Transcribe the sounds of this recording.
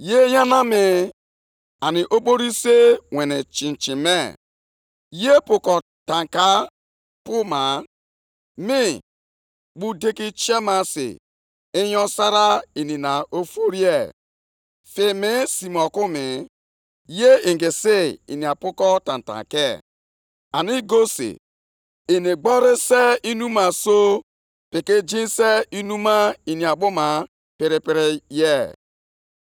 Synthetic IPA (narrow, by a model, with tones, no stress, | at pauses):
je˦ja˦na˦mɪ˨ | a˨nɪ˨ʔo˦ɓo˦ɾi˦se˦wɛ˨nɛ˨t͡ʃĩ˨n˨t͡ʃi˨mɛ˦ | je˦pʊ˨kɔ˨ | ta˨ŋka˦ | pu˦ma˨ | mɪ˦ | ɡ͡bu˦de˦ki˦t͡ʃɛ˦ma˦sḛ˨ | ɪ˦jɔ̃˦sa˦ɾa˦i˨ni˨na˨ʔo˦fo˦ɾi˦e˦˨ | fɪ˨mɪ˦si˨m˨ɔ˨kʊ˦mɪ˨ | je˦i˨ŋɡɪ˨sɪ˦ḭ˨ni˨a˨pʊ˦kɔ˦ta̰˨n̩˨ta̰˨ke˦˨ | a˨ni˦ɡo˦sḭ˨ | i˨ni˨ɡ͡bɔ˦ɾe˦se˦i˦nu˦ma˨so˦ | pɪ˨ki˦d͡ʒi˦n˦se˦i˦nu˦ma˦i˨ni˨a˨ɓʊ˦ma˨ | pɪ˨ɾɪ˨pɪ˦ɾɪ˦je˦˨